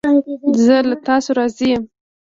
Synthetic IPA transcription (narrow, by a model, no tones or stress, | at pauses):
zəlat̪ɑsoɾɑzijəm